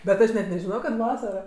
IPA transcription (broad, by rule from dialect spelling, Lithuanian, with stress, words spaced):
bʲɛt ˈɐʃ nʲɛt nʲɛʒʲɪˈnoːjoː kɐt ˈʋɑːsɐroː